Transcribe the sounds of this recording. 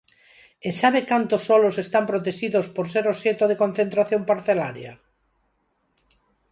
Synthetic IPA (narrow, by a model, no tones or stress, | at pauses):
esaβekant̪osːɔlosest̪ampɾot̪eʃiðospoɾseɾoset̪oðekon̟θent̪ɾaθjompaɾθela̰ɾja̰